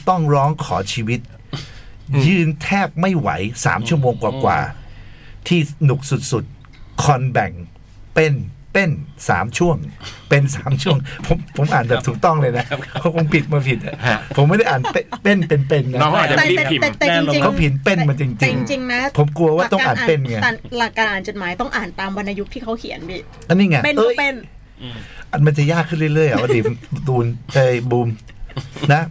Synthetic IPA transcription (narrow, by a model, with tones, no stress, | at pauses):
t̪ɔ˥˩ŋɾɔː˦˥ŋkʰɔ̰ː˩˦t͡ɕʰiː˧wi˦˥t̪̚ | jɯː˧nt̪ʰɛː˥˩p̚ma˥˩jwa̰˩˦jsa̰ː˩˦mt͡ɕʰu˥˩əmoː˧ŋkwaː˨˩kwa̰ː˨˩ | t̪ʰiː˥˩nu˨˩k̚su˨˩t̪̚su˨˩t̪̚ | kʰɔ˧nbɛ˨˩ŋ | pe˥˩npe˥˩nsa̰ː˩˦mt͡ɕʰu˥˩əŋpe˧nsa̰ː˨˩˦mt͡ɕʰu˥˩əŋpʰo˩˦mpʰo˩˦mʔaː˨˩nbɛː˨˩pt̪ʰuː˨˩k̚t̪ɔ˥˩ŋlɤː˧jna˦˥ʔpʰɔː˦˥˩kʰo˨˩˦ŋpʰi˨˩t̪̚maː˧pʰi˨˩t̪̚a̰˨˩pʰo˨˩˦mːa˥˩jda˥˩ʔaː˨˩npe˧pe˥˩npe˧npe˧nːa˦˧˨t̪ŋt͡ɕi˧kʰɔ˦˥pʰi˨˩˦npe˥˩nma˧nt͡ɕi˧ŋt͡ɕi˧ŋ˧ŋt͡ɕi˧ŋna˦˥pʰo˩˦mku˧ɐwaː˥˨˩t̪ɔ˥˩ŋː˧ʔaː˨˩nː˨˩pe˧˥˩nŋa˧˩la˨˩kːaː˧ʔaː˨˩nt͡ɕo˨˩t̪̚maː˩˦jt̪ɔ˥˩ŋʔaː˨˩nt̪aː˧mwa˧nʔa˧ju˦˥k̚t̪ʰiː˥˩kʰa˦˥wkʰi˨˩˦ənbiː˧˩ | ʔa˧niː˥˩ŋa˧˩pe˧nʔəː˧˥˩jpe˧˩n | ʔaː˨˩tma˧nt͡ɕa˨˩jaː˥˩kʰːɯ˥˩nlɯ˥˩jlɯ˥˩əja˨˩wa˧diː˨˩˧d̪uː˧nʔɤː˧˩jbuː˧m | na˦˥